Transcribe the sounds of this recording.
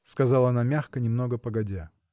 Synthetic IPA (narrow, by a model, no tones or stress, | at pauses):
skɐzɑlˠəɐnamʲaxkənʲɪmno̞ɡəpəɡɐdʲa